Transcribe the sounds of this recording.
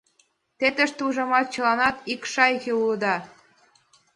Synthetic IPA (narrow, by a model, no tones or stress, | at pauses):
t̪et̪əʃt̪uʒɑmɑt̪̚t͡ɕə̆lɑnɑt̪ikʃɑjkeuləd̪ɑ